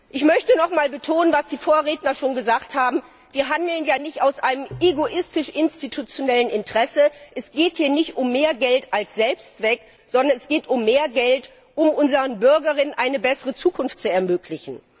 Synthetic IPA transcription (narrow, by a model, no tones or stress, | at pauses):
ʔɪçmœçtənɔχmaːlbətʰoːnənvasd̥iːfoːɐʁeːtnɐʃoːnɡəzaːkthaːbm̩ | viːɐɦandl̩njaːnɪçtaʊsʔaɪnəmʔeɡoʔɪstɪʃʔɪnstitʰut͡sjonɛlənʔɪntʁ̥ɛsəʔɛsɡ̥eːthiːɐnɪçtʊmːeːɐɡɛltalsz̥ɛlpst͡sv̥ɛk | z̥ɔndɐnɛsɡ̥eːtʊmːeːɐɡɛlt | ʔʊmʔʊnzəʁənbʏɐɡɐʁɪnənʔaɪnəbɛsəʁət͡suːkʰʊnftt͡suɛɐmøːkʰlɪçn̩